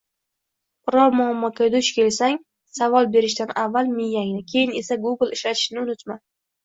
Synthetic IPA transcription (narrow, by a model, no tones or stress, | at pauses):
ɾɒmʊamːɒkʲʰad̪ʊʃkʲʰe̞lsaŋ | savɒlˠbe̞ɾɪʃd̪anavːalmɪjːaŋʲnɪkʲʰe̞jɪne̞saɡuɡɨlˠɪʃlat̪ʰɪ̥ʃnɪʊnɪt̪ma